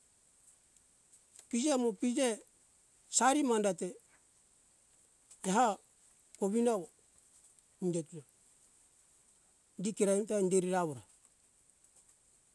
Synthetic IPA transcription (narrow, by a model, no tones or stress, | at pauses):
pid͡ʒemopid͡ʒe | saɾimandate | ɦa | koβinao | ndetuna | dikeɾaimtandeɾiɾaβoɾa